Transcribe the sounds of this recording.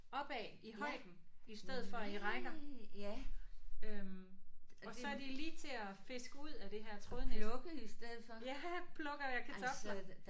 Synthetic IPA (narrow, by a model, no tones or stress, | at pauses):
ɒ̽b̥ɛiɦɒ̽ɪ̰d̥n̩isd̥eð̞̩ˠfɒ̽iʁɑɡɐ | øm | ɒ̽sɒ̽æɐdiliːt͡sʰe̝æfe̝sɡ̥əuð̰ˠæd̥e̝ɦæɐ̰t͡sʰʁoðˠnelɔɡ̥isd̥eð̰ˠfɒjæpʰlɔ̽ɡ̥ɐjɑkʰæt͡sʰɒ̽ɡ̥s